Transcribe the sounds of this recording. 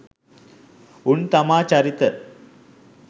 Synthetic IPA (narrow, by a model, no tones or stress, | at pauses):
uɳt̪ɐmaːt͡ɕɐɾit̪ːə